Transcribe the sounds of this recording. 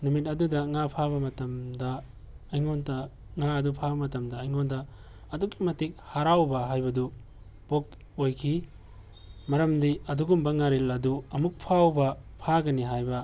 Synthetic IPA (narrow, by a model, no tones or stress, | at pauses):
numit̬ɐdudɐŋapʰaβɐmɐtɐmdɐ | ɐjŋontɐ | ŋaɐdupʰabɐmɐtɐmdɐːjŋondɐː | dukimɐtik̚haɾawbɐɦajbɐdu | pok̚ | ojkʰi | mɐɾɐmdiɐduɡumbɐŋaɾelɐduɐmuk̚pʰawbɐpʰaɡɐniɦajbɐ